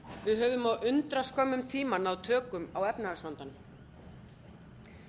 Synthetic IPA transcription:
vɪðɦœːvʏmawʏnt̪ɾaskœmːʏmt̪ʰiːmanawt̪ʰœːkʏmawɛpnasvant̪an

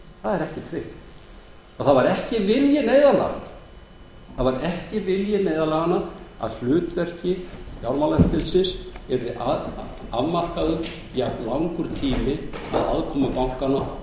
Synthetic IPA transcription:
θaðɛɾɛhcɪt̪ʰɾeht̪n | ɔθaðvaɾɛhcɪvɪljɪneːjðala̰ɣa̰na | θaðvaɾɛhcɪvɪljɪnejðalaːɣanːaa̰ðflʏːt̪vɛr̥cɪjawɾmalɛft̪ɪlsɪsɛɾðɪʔa | aðmar̥kaðʏ | aplawŋkʏɾ̥t̪ʰiːmɪa̰ða̰ðkʰɔːmakawŋ̥kana

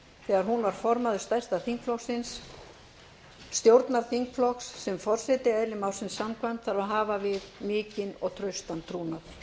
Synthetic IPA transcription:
θɛːɣaɾ̥ɦunvaɾ̥fɔɾmaðʏɾ̥st̪ajr̥st̪aθiŋkflɔxsɪns | t̪jowɾt̪naɾ̥θiŋkflɔxsːɛmfɔr̥sɛt̪ɪɛːjlɪmawrsɪnsːamkʰvamt̪θaɾaðɦaːvavɪðmɪːcɪnɔ̰ɣt̪ʰɾœɥst̪ant̪ʰɾuːnaθ

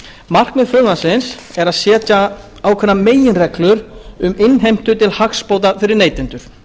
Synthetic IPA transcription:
mar̥knɪðfœðnasɪns | ɛɾaðsjɛːt̪a | aːwkʰvɛnːameːjɪnrɛklʏɾʏmɪnɦejm̥t̪ʏt̪ʰɪlhaxspoːwt̪afɪɾɪɾneːjt̪ɪnt̪ʏɾ̥

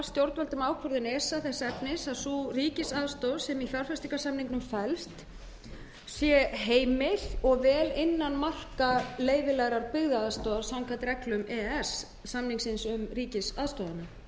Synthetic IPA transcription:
st̪jowɾt̪vœlt̪ʏmaːwkʰvɔɾðɪnɛːsaθɛsːɛpnɪsaðsuːriːcɪsaðst̪owðsɛmiθaɾ̥fɛst̪iŋkḁsamniŋknʏmfɛlst̪ | sjɛɦeːjmɪθɔɣvɛːlɪnːanmal̥kaleːjvɪlɛɣɾaɾpɪɣðaaːðst̪owðaɾ̥sawŋkʰat̪ɾɛklʏmɛːɛsː | amniŋksɪnsʏmriːcɪsaðst̪oːwðana

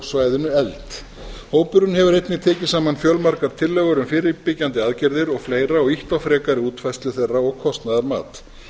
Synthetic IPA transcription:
svaːjðʏnʏɛlt̪ | hoːwpʏɾʏnhɛvʏɾejt̪nɪt̪ʰɛːcɪ̥saːmanfjœlmaɾkaɾ̥t̪ʰɪlːɛɣʏɾʏmfɪːɾɪpɪcant̪ɪaːðcɛɾðɪɾɔɣfleːjɾaɔɣiht̪awfɾɛːkaɾɪuːt̪fajst̪lʏθerːaɔɣkʰɔst̪naðaɾma̰ːt̪

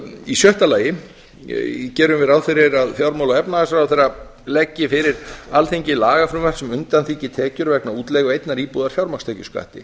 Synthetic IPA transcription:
isjœht̪alaːjɪ | cɛːɾʏmvɪðawfɪɾɪɾaðfjawɾmawlaɛpnaasɾawθeɾa | lɛcːɪfɪɾɪɾalθeɲcɪlaːɣafɾʏmvɛr̥sɛmʏnt̪anθiːcɪt̪ʰɛːcʏɾvɛknauːt̪lɛːɣʏejt̪naɾiːpuðaɾ̥fjawɾmakst̪ʰɛːcʏska̰ht̪ɪ̰

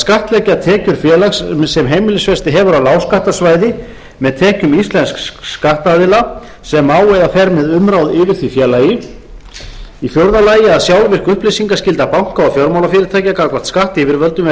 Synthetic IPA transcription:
skaht̪lɛcat̪ʰɛːcʏɾ̥fjɛːlassɛmɦeːjmɪlɪsvɛst̪ɪɦɛvʏɾawlaːwskaht̪asvaːjðɪ | mɛðt̪ʰɛːcʏmist̪lɛnskkskaht̪aðɪla | sɛmaːwɛjðafɛɾmɛðʏmɾawðɪːvɪɾ̥θvifjɛlaːjɪ | ifjowɾðalaːjɪaðsjawlvɪr̥kʏhplejsiŋkascɪlt̪apawŋ̥kaɔɣfjɔɾmawlafɪːɾɪɾt̪ʰaːjcɪakakvḁt̪skaht̪ɪivɪɾvœlt̪ʏmɛ

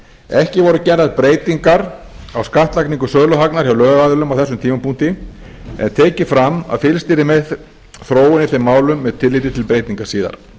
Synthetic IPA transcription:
ɛhcɪvɔɾʏcɛraðpɾeːjt̪iŋkaɾ | awskaht̪lakniŋkʏsœːɣlʏɦaknaɾ̥jawlœːɣɣaðʏlʏmawθɛsːʏmt̪ʰiːmapun̥t̪ɪ | ɛ̰nt̪ʰeːcɪfɾama̰ðfɪlst̪iːɾɪmɛ | θɾoːwɪnɪfθemːaːwlʏmːɛðt̪ʰɪlːiːt̪ɪt̪ʰɪlpɾeːjt̪iŋkaɾ̥siːða̰ɾ̥

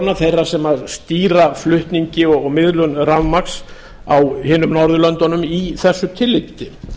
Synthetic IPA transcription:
naθejrːasɛmaðst̪iːɾaflʏht̪niɲcɪɔɣɔɣmɪðlʏnravmaks | awhɪːnʏmnɔɾðʏlœnt̪ɔnʏmiθɛsːʏt̪ʰɪlːɪp̚t̪ɪ

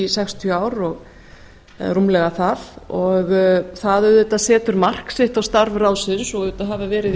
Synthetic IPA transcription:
sɛkst̪ʰjœaːwɾɔɣ | rumlɛɣaθaðɔɣθaðʏðʏt̪aðsɛːt̪ʏɾmar̥ksɪht̪awst̪aɾvrawsɪðsɔʏðʏt̪aðɦaːvavɛːɾɪð

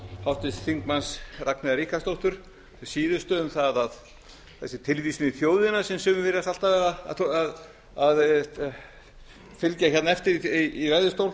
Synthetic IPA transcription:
hawht̪ɪst̪θiŋkmansraknɪðaɾiːhkast̪owht̪ʏɾ̥ | siːðʏst̪œʏmθaðað | θɛsːɪt̪ʰɪlvisnɪθjoːwðɪnasɛmsʏːmʏvɪɾɪasal̥t̪avɛːɣað̰að | að | fɪlcaçɛt̪naɛft̪ɪɾiiːɾrajðʏst̪owl

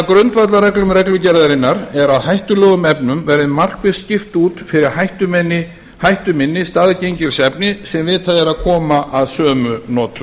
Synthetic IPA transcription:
akɾʏnt̪vat̪laɾɛklʏmɾɛklʏcɛɾðaɾɪnːaɾɛɾaðhajht̪ʏlɔːɣʏmɛpnʏmvɛɾðɪmar̥kvɪðscɪft̪uːt̪fɪɾɪɾ̥hajht̪ʏmɛnːɪ | hajht̪ʏmɪnːɪst̪aːðcejɲcɪɾ̥sɛpnɪsɛmvɪðt̪ʰaðɪɾaðkʰɔːmaʔaðsœːmʏnɔːt̪ʏ

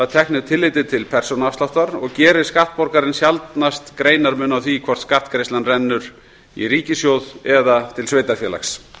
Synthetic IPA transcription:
aðt̪ʰɛhknɪðt̪ʰɪlːɪjt̪ɪt̪ʰɪlpʰɛr̥sonaafst̪laht̪aɾɔɣcɛːɾɪ̥skaht̪̚pɔɾkaɾɪnsjalt̪nast̪kɾeːjnaɾmʏːnawθikʰvɔ̥t̪skaht̪kɾejslanrɛnːʏɾ̥ | ḭɾiːcɪsjowðɛðat̪ʰɪlsveːjt̪afjɛːla̰xs

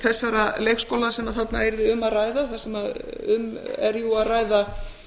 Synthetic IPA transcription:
θɛsːaɾalejxskowlansɛmaðθat̪naɛɾðɪʏmːaðraːjðaθaðsɛmaʏmɛ̰ɾjuaðraːjða

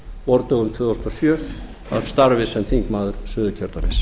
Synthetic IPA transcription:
vɔɾt̪œɣʏmt̪ʰvʏːðasnɔsjœː | a̰ðst̪aɾvɪsɛnt̪θiŋkmaːðʏɾ̥sʏðʏcʰœɾt̪amɛs

